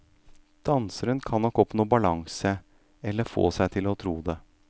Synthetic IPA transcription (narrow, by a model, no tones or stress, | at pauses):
d̪̥ɑnsəɾənkʰɑnːɔkːɔpnuːbɑlɑŋsə | ɛlːəɾfo̰ːsæɪt̪ʰɪlɔt̪ʰɾuːd̪ɛ